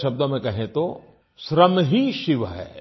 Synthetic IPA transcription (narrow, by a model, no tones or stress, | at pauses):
ʃɐb̚d̪õmẽkɐɦẽt̪o | ʃɾəmɦiʃɪʋɦɛ̰ː